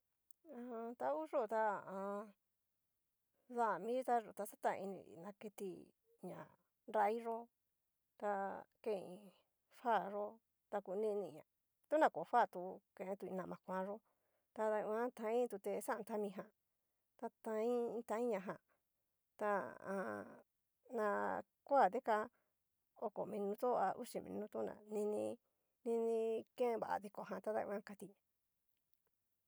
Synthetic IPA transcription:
ã˧t̪a˧u˦ʐo˦˨t̪a˧ã˧ | ða˦˨mĩ˦t̪a˧ʐo˧˨t̪a˧sa˦t̪a˧ḭ˧nḭ̃˧ḭ˧˨nã˧ke˧t̪ḭ˧ | ɲã̰˨ | ɾa˧˦i˦ʐo˦ | t̪a˧kẽ˦˧ĩ˧ | fa˦˨ʐo˦ | t̪a˧ku˧nĩ˦˧nĩ˧˨ɲã̰˨ | t̪u˦nã˧˨ko˨˧ɸa˦˨t̪u˧kẽ˧ʔẽ˧t̪u˧ĩ˧nã˧˨mã˧kʷã˧˦ʐo˦ | t̪a˧ða˧ã˦t̪ã˧ĩ˦t̪u˧t̪e˧sa˦˧t̪a˦mĩ˧ɦã˧˨ | t̪a˧t̪ã˧ĩ˦˧t̪ã˧ĩ˦ɲã˧ɦã˧ | t̪a˧ã̰˨˧ | nã˧ | kʷa˦˨d̪e˦ka˧ | o˧ko̰˨mĩ˧nũ˧t̪o˦˧a˧ʔṵ˦ʃi˧mḭ̃˧nũ˧t̪u˦nã̰˧˨nĩ˧nĩ˧ | nĩ˧nĩ˧kẽ˦˧βa̰˨˧ði˧ko˧ɦã˨t̪a˧˦ða˧ḭ̃˧ã˦ka˧t̪i˧ɲã˨

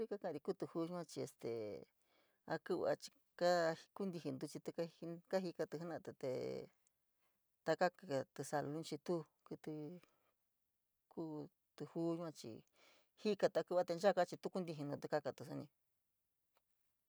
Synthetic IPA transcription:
ɾi˦ka˦kã˧˨˧ɾi˧ku˦t̪u˧hu˦˧ʒu˦ã˦˧t͡ʃi˧ḛ˧st̪ḛ˨ | a̰˧ku˦βa̰˧t͡ʃi̥˧ | ka˦hku˦nd̪i˧hi˧nd̪u˧t͡ʃi˧t̪u˧ka˦˧ka˦ɦi˧ka˧t̪ɨ˧hnã˦˧t̪e˧˨t̪ḛ˨ | t̪a˧ka˦ka˨t̪ɨ˧sa˧lu˧ũ˦t͡ʃi˧t̪u˦ | ku˧t̪u˧ | ku˦ | t̪u˧hu˦ʒu˦ã˧t͡ʃḭ˧ | hi˦ka˧t̪a˧ku˧βa˧t̪e˧nd͡ʒa˦ka˦t͡ʃi˧t̪u˦ku˦nd̪i˧ɦi˧nũ˧t̪u˧˦ka˧ka˧t̪u˧s̬a˧nĩ˧

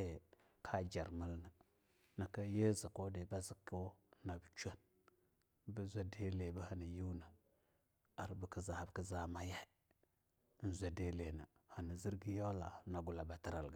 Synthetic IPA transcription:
e˨ | kʰa˦d͡ʒa˨ɾmə˦lna˨ | na˨ka˦je˦zi˨ko˦di˨ba˦zi˨ko˦na˨bt͡ʃʷa˦n | bə˦zʷa˦de˦le˨bə˦ha˨ni˨ju˦na˨ | a˨ɾbi˨ki˦za˨ha˨bki˦za˨ma˦ja˦ | n̩˨zʷa˨de˨le˨na˨ha˨ni˨zi˦ɾɡi˦jo˦la˨na˨ɡu˨la˨ba˨ti˦ɾa˨lɡa˨

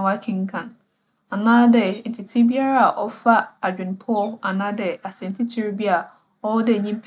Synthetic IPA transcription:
wa˦kʰɪ̃˦ŋ̩˦kʰã˨n | a˨nãː˦dɛ˨n̩˨tʰi˨tʰi˦bi˦a˦ɾa˦a˨ʔɔ˦fa˦a˨d͡ʑᶣɪ̃˨n˨pʰʊ˦ɔ˦a˨nã˦dɛ˨a˨sɛ˨n̩˨tʰi˦tʰi˦ɾbi˦a˦˨ | ɔ˦dɛ˦˨ɲĩ˦m˦pʰ

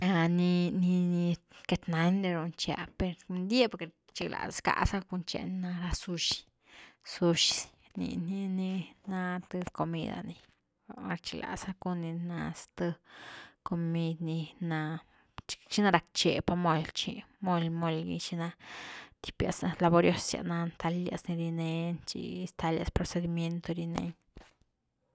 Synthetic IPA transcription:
a˧ni˧ni˧ni˧ke˧t̪na˨˦nɾe˧ɾu˧nt͡ʃja̰˧pe˧ɾnd̪ʲje˦po˨ɾke˨ | t͡ʃi˧ɡla̰˨sa˨ska̰˧sa˦ku˧nt͡ʃḛ˧n˧na˧ɾa˧su˧ʃ | su˧ʃ | nḭ˧ni˧ni˧na˧t̪ɨ˧ko˧mḭ˦˧d̪a̰˨ni˧ | ɾt͡ʃi˧ɡla̰˨sa˦ku˧˦ni˧na˧st̪ɨ˧ko˧mi˧d̪ni˧na˧ | t͡ʃt͡ʃi˦na˧ɾa˨˧kt͡ʃe˨pa˧mo˧lt͡ʃi˧mo˧lmo˧lɡḭ˧t͡ʃi˧na˧t̪i̥˧pja̰˨sla˧bo˧ɾjo˧sja̰˨ʔna˧nt̪ʰa˧la̰˧sni˧ɾi˧ne˧nt͡ʃḭ˧i˧st̪a˧lja̰˧spɾo˧se˧d̪i˧mje˧nt̪o˧ɾi˧nḛ˧ɲ

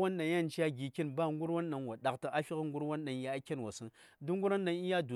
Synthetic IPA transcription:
wa˦nːa˨ja˦˨nt͡ʃi˦ja˦ɡi˨ki˦nba˦˨ŋ˦ɡu˦ɾwa˦nːa˨nwa˨ɗa˨kta˨ʔa˦fi˦kŋɡu˦ɾwa˦nːa˨n˨ja˦a˦kʲe˦nwa˨si˦n | du˦ŋɡu˦ɾa˦nːa˨ni˦ja˦du˨

